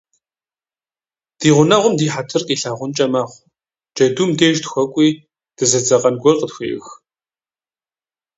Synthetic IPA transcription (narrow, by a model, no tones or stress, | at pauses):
d̥iːʁʷʊnɐʁʷʊmdiːħatʰɨrqʼiːɬaːʁʷʊnt͡ʃʼɐmaːχʷ | d͡ʒʼɐduːmdeːʒtxʷɐkʷʼiː | d̥ɨzɐd͡zɐqʼɐnɡʷɔrqʼətxʷḛːʔx